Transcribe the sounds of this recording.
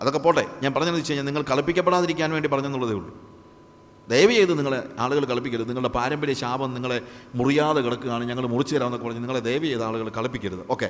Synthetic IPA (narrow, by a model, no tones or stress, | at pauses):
ɐðokːe̞pːo̞ːʈːḛɲaːnpɐrɐɲːɐnðit͡ɕːeɲaːniŋːɐɭkɐɭɐpːikʲːɐp̬ːeɽaːðiɾikʲːaːnʋe̞ːɳɖipɐrɐɲːonːuɭːɐðeuɭɖu | d̪ejʋɐjejðɨniŋːɐɭeaːɭuɣɐɭkɐɭɐpːikʲːɐɾuðɨniŋːɐɭuɽepaːɾɐmbɐɾijɐɕaːbɐmniŋːɐɭe̞murijaːðɐkiɽɐkːɨɣaːɳɨɲɐŋːɐɭmurit͡ɕːɨðɐɾaːmnokːepːrɐɲːɨniŋːɐɭed̪e̞jʋɐjejðɨaːɭuɣɐɭkɐɭɐpːikʲːɐɾuðɨo̞ːkːe̞̰